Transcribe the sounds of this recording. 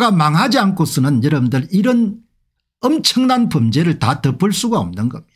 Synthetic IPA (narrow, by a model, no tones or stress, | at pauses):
ɡamaŋɦad͡ʑiankʰosʰɯnɯnjʌɾʌbɯndɯɾiɾʌn | ʌmt͡ɕʰʌŋnanpomd͡ʑe̞ɾɯɭtatɯp͈ɯɭs͈uɡao̰mnɯnɡʌmi̥